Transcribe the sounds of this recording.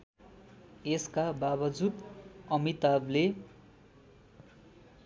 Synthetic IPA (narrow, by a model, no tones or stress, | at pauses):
eskababʌd͡zud̪ʌmit̪able